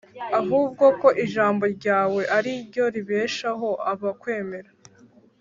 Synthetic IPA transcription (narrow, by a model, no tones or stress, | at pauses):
aɦuːb̚ɡo̞ko̞ʔiʒaːmbo̞ɾɟaːwe̞ʔaɾiɾɟo̞ɾiβe̞ːʃaɦo̞ʔaβakwe̞ːme̞ɾa